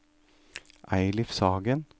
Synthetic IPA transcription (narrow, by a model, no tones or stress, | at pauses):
ʔæɪlɪfsɑːɡən